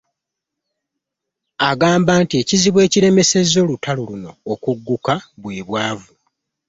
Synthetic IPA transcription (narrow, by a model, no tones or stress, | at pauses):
aɡaːmbaːntie̞ciziβwe̞ːciɾe̞me̞se̞zo̞ːlutʰaluluno̞ːkuɡːukaβweːβwaːvu